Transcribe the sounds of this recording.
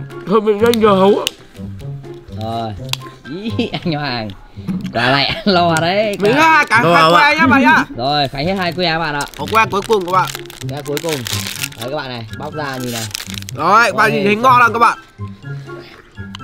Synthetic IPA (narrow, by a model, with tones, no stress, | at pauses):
to˨˧˩mḭ˧˨˧a˧jŋ̟ŋəː˨˩ɦə˨˦wʔa˧˦ | zo˨˩jʔi˧˦˥ʔa˧ŋ̟ɔ˧˩haː˨˩ŋ | kwaː˨˩la̰ː˧˨ʔa˧nlə˧waː˨˩ɗə˨˦jmi˨ha˦ha˧jkaː˨˦˧wɛ˧ɲaː˦ɓa̰ː˧˨ɲaː˧˩zo˨˩jxaː˨˦ŋhe˦˥t̚haː˧jk̬u˧˦ʔaː˨˦ɓa̰ː˧˨nʔə̰ː˧˨hkwɛː˧ku˨˦əjkʊ˨˩˨ŋ͡mku˧˩ə˦˩ɓa̰ː˧˨ | ɲaː˧ku˨˦əjkʊ˨˩ŋ͡mːka˦k̚ɓa̰ː˧˨na˨˩jɓa˦˥wk͡p̚zaː˧˨˩ŋzi˨˩naː˨˩wzo˨˩˧ɓa̰ː˧˨nzi˨˩i˨˦ŋɔ˧laː˧˨kaː˦˥ɓa̰ː˧˨n